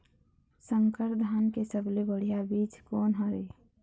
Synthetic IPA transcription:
səŋkəɾd̪ʱaːnkesəblebəɽ̤ijabiːt͡ʃkɔːnɦəɾeː

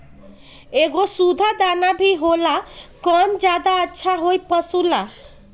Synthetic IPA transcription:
eɡosud̪ʱad̪anabʱiɦolakɔnd͡ʒad̪aətːʃʰaɦojpəsula

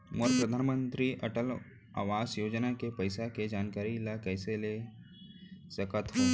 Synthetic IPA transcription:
moɾpɾəd̪ʱanmənt̪ɾiʔəʈəl | a̰ʋasjoːd͡ʒnakepəjsaked͡ʒankaɾilakəjsele | səkət̪ɦo

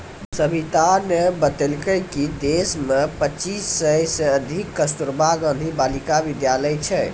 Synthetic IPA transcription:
səbʱit̪anebət̪elkəjkid̪esmepət͡ʃisːəjseəd̪ʱikːəst̪uɾbʱaɡə̃nd̪ʱibalikabid̪jaləjt͡ʃʰɛ

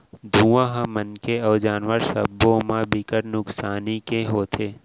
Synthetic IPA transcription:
d̪ʱũːʋãɦãmənkeɔːd͡ʒaːnʋəɾʃə̰bːõmãbɪkəʈnʊksaːnikeɦoːt̪ʰeː

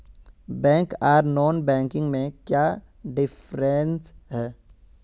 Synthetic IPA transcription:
bɛ̃ːŋkaːɾnɔːnbɛ̃ːŋkɪ̃ŋɡmẽkjaː | ɖɪfʰɾensɦɛː

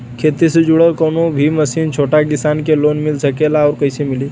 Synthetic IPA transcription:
kʰet̪ised͡ʒuɽəlkənobʱiməsiːnt͡ʃʰoʈakisankelonmilsəkelaɔːɾkəjsemili

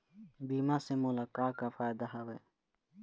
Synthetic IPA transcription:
biːmasemʊlaːkaːkafaːjd̪aɦɐwe

